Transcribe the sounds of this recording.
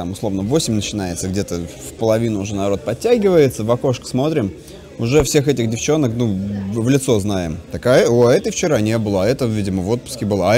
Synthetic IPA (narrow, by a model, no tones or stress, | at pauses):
t̪amʊslˠo̞vnəvo̞sʲɪmʲnət͡ɕɪnajɪt̪səɡdʲe̞t̪əfpəlˠɐvʲinʊʊʐɛnɐɾo̞t̪̚pɐtʲːæɡʲɪvəjɪt̪səvɐko̞ʂkə̥smo̞t̪ɾʲɪm | ʊʐɛfsʲe̞xɛtʲɪxdʲɪft͡ɕo̞nəknuvlʲɪt̪so̞znajɪ̰mt̪ɐkajəoɛt̪əft͡ɕɪɾanʲebɨlˠəɐɛt̪əvʲidʲɪməvo̞t̪̚pʊ̥skʲɪbɨlˠa